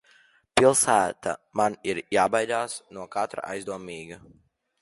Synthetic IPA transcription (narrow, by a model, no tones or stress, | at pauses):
pilˠsæːt̪a̰maniɾjaːbajd̪aːsnuɔkat̪ɾa̰ʔa̰jzd̪uɔmiːɡɐ